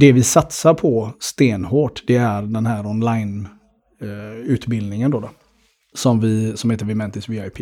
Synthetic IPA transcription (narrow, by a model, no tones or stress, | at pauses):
d̪ɛvɪsat̪saɾpʰɔst̪eːnhoːʈd̪ɛæɾɖɛnɦæːɾɔnlajn | ʉ̟ːt̪bɪld̪nɪŋənd̪oːd̪o | sɔmvɪsɔmheːt̪əɾvɪmɛnt̪ɪsviaɪpʰiː